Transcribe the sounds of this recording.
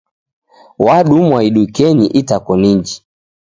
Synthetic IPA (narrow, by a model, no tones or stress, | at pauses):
waɗumwaiɗukɛɲiʔitakɔniɲd͡ʒi